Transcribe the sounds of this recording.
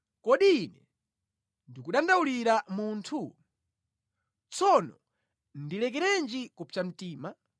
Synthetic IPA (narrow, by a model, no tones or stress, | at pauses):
kɔɗiːnɛ̰ | ndikuɗandauliɾamuntʰu | t͡sɔnɔ | ndilɛk̬ɛɾɛnd͡ʒikupʰfʰam̩tiːma